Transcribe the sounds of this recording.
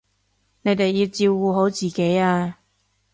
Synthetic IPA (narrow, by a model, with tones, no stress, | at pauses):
ne˨˧jt̪e˨jːiː˧wt͡siː˧wːuː˨˧ɦo˨˥wt͡siː˨˩ke˨˥jaː˧